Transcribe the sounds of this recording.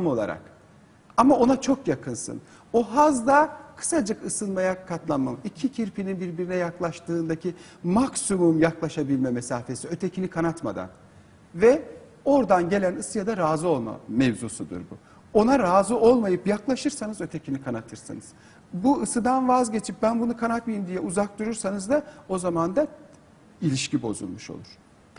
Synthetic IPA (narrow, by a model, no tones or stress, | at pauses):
mo̞lˠa̰ɾa̰k | amao̞nat͡ʃʰo̞kjakʰɯnsɯ̰n | o̞ɦazd̪akʰɯ̥sad͡ʒɯkɯsɯnmajakʰat̪lˠamamicʰicʰiɾpʰininbiɾbiɾinɛjaklˠaʃt̪ɯːnd̪acʰi | maksumumjaklˠaʃabilʲmɛmesaːfesiø̞t̪ʰecʰinikʰanat̪ma̰d̪a̰n | vɛ | o̞ɾd̪anɟe̞lʲænɯsɯjad̪aɾaːzɯo̞lˠma̰mevzusud̪ṵɾbṵ | o̞naɾaːzɯo̞lˠmajɯpjaklˠaʃɯɾsanɯzø̞t̪ʰe̞cʰinikʰanat̪ʰɯɾsɯ̰nɯz̥ | buɯsɯd̪anvazɟe̞t͡ʃʰip̚bænbunukʰanat̪mijimd̪ijɛuzak̚t̪uɾuɾsanɯzd̪ao̞zamand̪a | ilʲiʃcibo̞̰zṵlˠmuʃo̞̰lˠuɾ̥